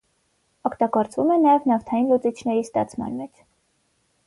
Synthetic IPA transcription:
ɔkʰt̪ɑɡɔɾt͡svumɛnɑjɛvnɑft̪ʰɑjinlut͡sit͡ʃʰnɛɾist̪ɑ̰t͡sʰmɑ̰nmɛt͡ʃʰ

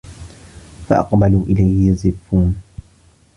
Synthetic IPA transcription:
faʔɑ̰qbaluːʔɪlajhjazɪbːuːn

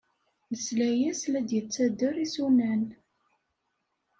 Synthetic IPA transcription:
məslæjæslæd̪jət͡sːæd̪ːəɾisunæn

